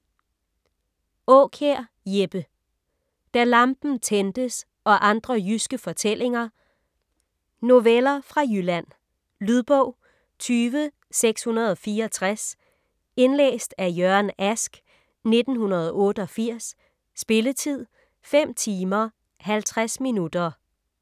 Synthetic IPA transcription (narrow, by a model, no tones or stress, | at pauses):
ɔːkʰeɐ̰ | jeb̥ə | d̥æɐlɑ̈mb̥n̩t͡sʰend̥əs | ʔɒ̽ʔɑ̈nd̥ʁɐjysɡ̥əfɒ̽t͡sʰel̰e̝ŋɐ | no̝ʋelɐfʁɑ̈jylæn̰ | lyðˠb̥ɔʊ̰ | t͡sʰyːʋə | seɡ̥shunɐð̞̩ˠɒ̽fiːɐɒt͡sʰʁas | e̝nlḛːsd̥æjœɐnæsɡ̥ | ne̝d̥n̩hunɐð̞ˠɒʔɔ̽ːɾ̥əɒ̽fiɐ̰sː | b̥e̝lət͡sʰið̞̰ˠ | fem̰t͡sʰiːmɐ | hælt͡sʰʁasminud̥ɐ